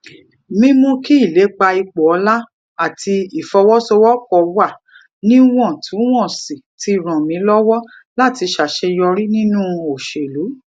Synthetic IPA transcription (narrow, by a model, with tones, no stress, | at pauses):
mĩ˦mũ˦ki˦i˦˨le˨˦k͡pa˧i˧k͡pɔ˨ɔ˧˦la˦ | a˦˨ti˧i˨fɔ˧wɔ˦so˧wɔ˦kɔ˨wa˦˨ | nĩ˦w̃ɔ̃˦˨tʰũ˨˦w̃ɔ̃˦˨si˨ti˧˨ɾ̃ɔ̃˨mĩ˨˦lɔ˦wɔ˦ | la˦˨ti˧ʃa˨ʃe˧jɔ˧ɾi˦nĩ˦nũ˦o˨ʃe˨lu˨˦